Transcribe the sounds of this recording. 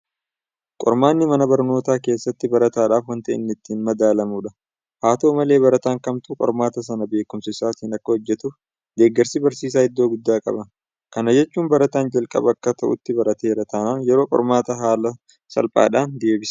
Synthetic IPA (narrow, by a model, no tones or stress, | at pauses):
kʼɔ̰ɾmaːnːɪmɐnɐbɐɾno̞ːt̪aːke̞ːsːɐt̪ːɪbɐɾɐt̪aːᶑaːfwɐnt̪ɐʔɪ̰nːɪt̪ːiːnmɐd̪aːlɐmuːᶑɐ | haːt̪oːmɐle̞ːbɐɾɐt̪aːŋkɐmt̪ʊkʼɔ̰ɾmaːt̪ɐs̬ɐnɐbe̞ːkʊmsɪsaːt̪iːnɐkːɐhɔd͡ʒːɛt̪ʊf | d̪e̞ːɡːɐɾsɪbɐɾsiːs̬aːhɪd̪ːoːɡʊd̪ːaːkʼɐ̰bɐn | kɐnɐd͡ʒɛt͡ʃːuːnbɐɾɐt̪aːnd͡ʒɐlkʼɐ̰bɐkːɐt̪ʰɐʔʊt̪ːɪbɐɾɐt̪e̞ːɾɐt̪ʰɐnaːnjɛɾo̞ːkʼɔ̰ɾmaːt̪ɐɦaːlɐ | sɐ̰lpʼa̰ːᶑaːnd̪e̞ːbɪsɐ̥